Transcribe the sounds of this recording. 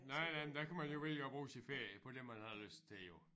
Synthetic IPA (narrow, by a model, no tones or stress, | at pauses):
nɑɪ̰næɪmend̥ækʰæmænjoʋḭliɡ̥ɒ̽b̥ʁuːsinfeɐ̰jəpʰɒ̽d̥emːænhæðˠløsd̥̚t͡sʰe̝ljo̝